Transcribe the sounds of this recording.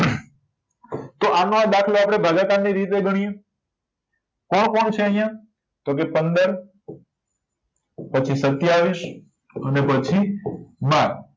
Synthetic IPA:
t̪oʔanõãd̪akʰloapɽ̃ebʱaɡakanːiɾit̪̬eɡəɽ̃ije | kɔɳkɔɳt͡ʃʰeəɦijã | t̪okepənd̪əɾ | pət͡ʃʰisət̪jaʋis | ənepət͡ʃʰimaɾ

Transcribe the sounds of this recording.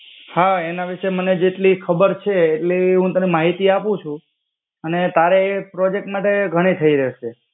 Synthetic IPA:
haenaʋiʃeməned͡ʒeʈlikʰəbəɾt͡ʃʰeːʈleɦũt̪ənimaɦit̪iapũt͡ʃʰũ | ənet̪aɾepɾod͡ʒek̚ʈmaʈeɡʱəɽ̃it̪ʰəiɾəʃʰe

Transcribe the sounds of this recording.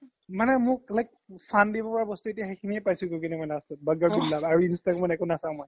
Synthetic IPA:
manɛmʊk̚lajk̚pʰandibɔpɔɹabɔstuetijaɦikʰimiɛpajsukuk̬inɛmɔjnastɔt̚bəɡaɡillabaɹuinstakmɔjɛkʊnasãw̃mɔj

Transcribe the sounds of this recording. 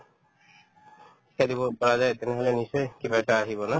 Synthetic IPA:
i̥kʰad̪ibɔpɔɾad͡ʒajt̪eneɦɔlenisɔjkibʱajʈaːɦibɔna

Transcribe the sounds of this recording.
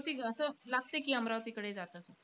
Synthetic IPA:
t̪iːəsəlaɡ̚t̪ekiːəmɾaʋt̪iːkəɽed͡zat̪əːsə

